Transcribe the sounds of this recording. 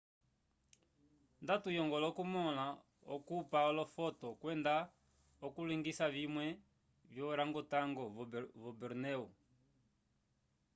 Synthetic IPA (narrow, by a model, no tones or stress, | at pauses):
ndatujɔŋɡɔlɔkumɔla | ɔ̰kupaɔlɔfɔtɔkwɛnda | ɔkuliŋɡisavimwɛ | vjɔɾaŋɡɔtaŋɡɔvɔbɛɾnɛu